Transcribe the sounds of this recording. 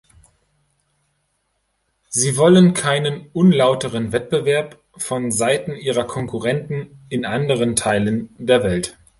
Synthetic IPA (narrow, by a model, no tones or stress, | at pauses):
ziːvɔlənkʰaɪnənʔʊnlaʊtəʁənvɛt̚b̥əvɛɐp | fɔnzaɪtn̩ʔiːʁɐkʰɔŋkʰuʁɛntn̩ɪnʔandəʁ̞əntʰaɪləndeːɐvɛlt